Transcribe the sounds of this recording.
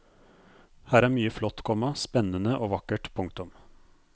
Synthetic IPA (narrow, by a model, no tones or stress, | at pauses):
hæːɾæːɾmyːəflɔt̪ːkʰɔmɑspɛnənəʔoːʋɑkəʈpʰʊŋkt̪ʊm